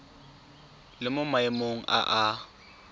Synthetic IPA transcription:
lɪmʊmaɪmoŋ̩ʔa̰ʔa

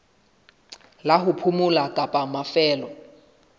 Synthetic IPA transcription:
laɦupʰumulakʼapʼamafɛːlɔ

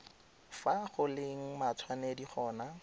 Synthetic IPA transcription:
faχʊlɪŋ̩mat͡sʰwanɛdiχɔːna

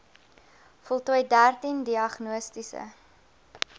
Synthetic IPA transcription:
fɔlˠtuəjdærtindiɐχnuəstisə̰

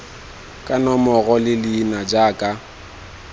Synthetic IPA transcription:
kʼanɔmɔɣɔlɪlɪːnad͡ʒaːkʼa

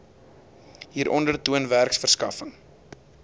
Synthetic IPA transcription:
ɦiːɾʔɔndərtuənværksfərskɐfəŋ

